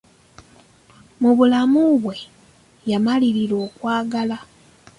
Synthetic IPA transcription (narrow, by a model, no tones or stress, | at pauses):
muβulamuβwe̞ | jamaliɾiɾwo̞ːkwaːɡala